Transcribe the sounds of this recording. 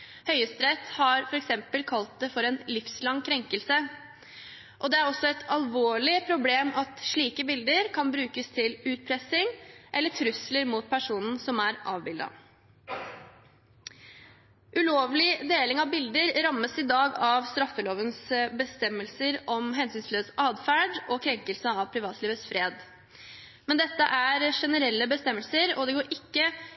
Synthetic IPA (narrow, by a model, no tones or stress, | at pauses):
hœʏəst̪ɾɛt̪hɑɾfɔɾɛksɛmpəlkʰɑlt̪̚d̪ɛfɔɾɛnlɪfslɑŋkʰɾɛŋkəlsə | ʔɔd̪ɛæɾɔsːɔɛt̪ɑlʋoːɭɪpʰɾʊbleːmɑt̪ʂɭiːkəbɪld̪əɾkʰɑnbɾʉːkəst̪ʰɪlʉːt̪̚pʰɾɛsɪŋʔɛlːəʈʰɾʉsləɾmuːt̪̚pʰæʂuːnn̩sɔmæɾʔɑːʋbɪld̪ɑ̰ | ʔʉloːʋlɪd̪eːlɪŋɑʋbɪld̪əɾɾɑmːəsɪd̪ɑːɡɑʋst̪ɾɑfːəloːʋənsbəst̪ɛmːəlsəɾɔmɦɛnsyːnsløːsʔɑːd̪fæːɖɔkʰɾɛŋkəlsəɑʋpʰɾɪʋɑːt̪liːʋəsfɾeːd̪ | mɛnd̪ɛt̪ːəʔæɾʂɛnəɾɛlːəbəst̪ɛmːəlsəɾɔd̪ɛɡoːɾʔɪkːə